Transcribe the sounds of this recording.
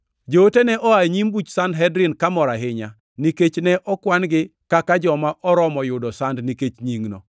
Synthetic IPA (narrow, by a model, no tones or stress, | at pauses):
d͡ʒootenɛʔɔaɲimbut͡ʃsandɦɛdɾɪnkamɔɾaɦɪɲa | niket͡ʃnɛʔɔkwanɡɪkakad͡ʒɔmaʔɔɾɔmɔjʊdɔsandniket͡ʃɲiŋnɔ̰